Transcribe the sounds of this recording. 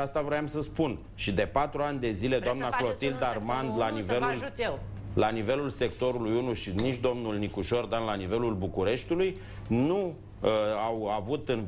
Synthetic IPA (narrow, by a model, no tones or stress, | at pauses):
ast̪avɾoamsəspun | ʃid̪e̞pat̪ɾuanʲd̪e̞zile̞d̪oamnaklot̪ild̪armand̪lanivelul | lanive̞lulse̞kt̪o̞ɾulujunuʃinit͡ʃʲd̪o̞mnulnikuʃo̞rd̪anlanive̞lulbukuɾe̞ʃt̪uluj | nu | əawavut̪ɨn